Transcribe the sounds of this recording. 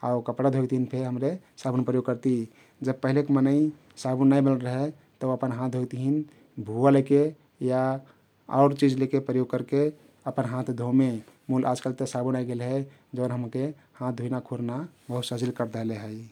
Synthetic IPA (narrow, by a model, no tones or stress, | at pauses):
a̰ukəpɽad̪ʱojt̪iɦinpʰeɦəmɾe | sabunpɾəjoɡ̚kəɾt̪i | d͡ʒəb̚pəɦilekemənəi | sabunajbəlɾəɦɛ | t̪əuəpənɦãt̪̚ʰd̪ʱoɡt̪iɦin | bʱualeke | ja | ɔ̰ʊɾt͡ʃid͡ʒlekepɾəjoɡ̚kəɾke | əpənɦãt̪ʰd̪ʱome | mulʔa̰d͡ʒkalt̪esabunajɡelɦe | d͡ʒəʊnɦəmke | hãt̪̚ʰd̪ʱuinakʰuɾnabəɦut̪səd͡ʒilkəɾd̪əleɦəj